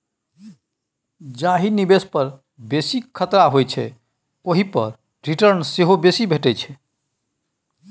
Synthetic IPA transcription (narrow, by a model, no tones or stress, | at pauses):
d͡ʒaɦinibespəɾ | besiət̪ɾaɦojt͡ʃʰɛ̰ | koɦipəɾ | ɾiʈəɾnseɦobesibʱeʈɛt͡ʃʰɛ